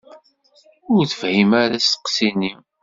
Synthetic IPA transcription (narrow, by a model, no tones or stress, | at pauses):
ʊɾθəvhimaɾæst̪ə̥qsinim